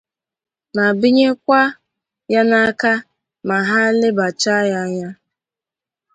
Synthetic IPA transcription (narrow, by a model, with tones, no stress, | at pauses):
na˨bi˦ɲe˦kʷa˦ | ja˦na˦ka˦ | ma˨ɦa˦lɪ˦ba˨t͡ʃa˦ja˦ɲa˦